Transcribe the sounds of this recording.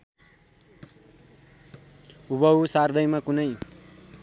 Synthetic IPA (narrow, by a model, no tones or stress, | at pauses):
ubʌwsard̪ʌjmakunʌj